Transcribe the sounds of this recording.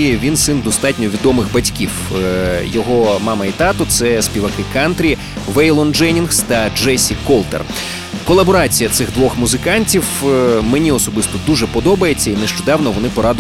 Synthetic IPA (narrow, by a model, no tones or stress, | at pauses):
ʋʲinsɪnd̪ɔst̪ɑtʲnʲɔʋʲid̪ɔmɪxbɐtʲkʲiw | jɔɦɔmɑmɐit̪ɑt̪ɔt̪sɛspʲiʋɐkɪkɑnt̪ɾʲi | ʋɛjlˠɔnd͡ʒɛnʲinxst̪ɐd͡ʒɛsʲikɔlˠt̪ḛr | kɔlˠɐbɔɾɑt͡sʲijɐt̪sɪɣd̪ʋɔxmuzɪkɑnʲtʲiwmenʲiɔsɔbɪst̪ɔd̪uʒɛpɔd̪ɔbɐjet͡sʲːɐineʃt͡ʃɔd̪ɑwnɔʋɔnɪpɔɾɑd̪